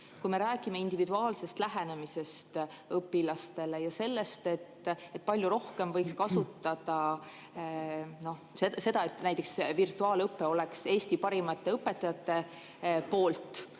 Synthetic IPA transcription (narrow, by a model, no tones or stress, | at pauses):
kujme̞ɾæːɡ̥ime̞ind̪̥ivid̪uɑːlse̞st̪læɦene̞mise̞st̪ | ɤpːilɑst̪e̞le̞jɑse̞lːe̞st̪e̞t̪ːet̪̚ːˑpɑlʲjuɾo̞hke̞mvɤjkskɑsut̪ːˑɑd̪̥ɑ | no̞ | sese̞d̪ɑe̞t̪ːˑnæjt̪ːˑe̞ksvirt̪ːuɑːlɤpːe̞o̞le̞kse̞ːst̪ipɑɾimɑt̪ːe̞ɤpːe̞t̪ːˑɑjɑt̪ːe̞ | po̞ːlt̪ˑ